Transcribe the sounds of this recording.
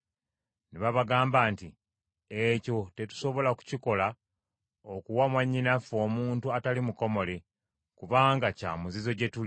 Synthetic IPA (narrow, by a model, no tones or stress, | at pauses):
neβaβaɡaːmbaːnti | eco̞te̞tu̥so̞βo̞laku̥ciko̞la | okuwamwaɲːinafo̞ːmuːntuatalimuko̞mo̞le | kuβaːŋɡaca̰ːmuzizo̞ɟe̞tul